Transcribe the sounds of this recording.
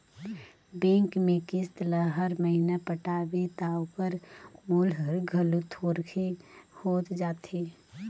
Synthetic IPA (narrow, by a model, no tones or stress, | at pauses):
bẽːŋkmẽkɪst̪laɦəɾməɦinapəʈaːbet̪aːopəɾmoːlɦəɾɡʱəlut̪ʰoːɾkʰehoːt̪d͡ʒaːt̪eː